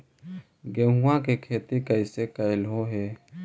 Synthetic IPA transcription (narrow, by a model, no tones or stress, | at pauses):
ɡeːɦuãkekʰeːt̪ikəɪsekəɪlɦoɦɛː